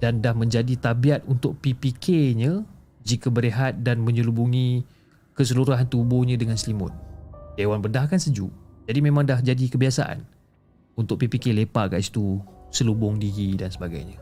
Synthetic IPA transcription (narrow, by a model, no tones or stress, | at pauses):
d̥andahmə̃ɲd͡ʒadit̪abiat̪̚unt̪ʊk̚pipikʰeɲə̃ | d͡ʒikəbəɾeɦat̪̚danmə̃ɲulubuŋĩ | kəs̬əluɾuɦant̪ubʊhɲãdəŋanslimʊ̰n̚ewanbərdahkansəd͡ʒuʔd͡ʒadimẽmãŋdahd͡ʒadikəbiasa̰ʔa̰n | unt̪ʊkʔ̚pipikelepaʔka̰ʔsi̥t̪usəlubʊŋdiɡidansəbaɡa̰jɲa